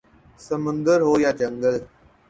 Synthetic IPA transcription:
səmə̃nd̪əɾɦoːjaːt͡ʃəŋɡəl

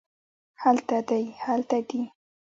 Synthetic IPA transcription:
halt̪ad̪ajhalt̪ad̪i

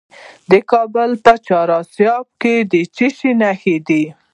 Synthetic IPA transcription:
d̪əkɑbəlt̪at͡ʃɑɾɑsjɑb̚ked̪ət͡ʃiʃinaxed̪i

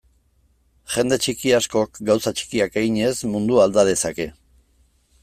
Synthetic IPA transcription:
ʝe̞nd̪e̞t͡ʃikiasko̞kɡawsat͡ʃi̥kiakeɣiɲe̞zmund̪uald̪að̞e̞sake̞

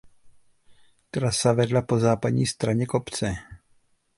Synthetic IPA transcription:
t̪ɾasavɛdlapo̞zaːpadɲiːst̪ɾaɲɛkopt͡sɛ

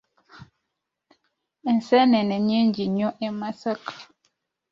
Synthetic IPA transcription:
n̩sɛnɛnɛɲend͡ʒiɲɔʔɛmasak

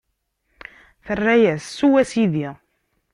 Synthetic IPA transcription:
θərːæjæsːuwæsiði

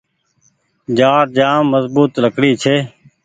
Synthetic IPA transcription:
d͡ʒaːɾd͡ʒaːmːəzbuːt̪ləkɽiːt͡ʃʰeː

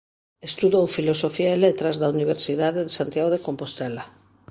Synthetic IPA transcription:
est̪uðowfilosofiaelet̪ɾazðauniβ̞eɾsiðaðeðesant̪jaɣoðekompost̪ɛla

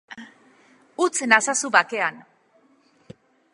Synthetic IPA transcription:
ut͡snasasuβake̞an

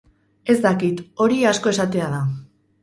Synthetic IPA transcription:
e̞zd̪akit̪o̞ɾiasko̞e̞sat̪e̞aða

